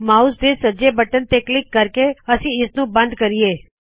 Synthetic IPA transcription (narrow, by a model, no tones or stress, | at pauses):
maːusd̪esəd͡ʒebəʈənt̪eːklɪkːəɾkeɐsĩɪsnũbɐ̃nd̪kəɾieː